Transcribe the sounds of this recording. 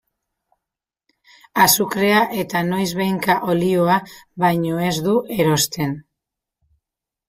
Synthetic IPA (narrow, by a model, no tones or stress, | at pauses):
asukɾe̞aʔe̞t̪ano̞jzβejŋkaʔo̞lioaβajɲo̞e̞zd̪uʔe̞ɾo̞st̪e̞n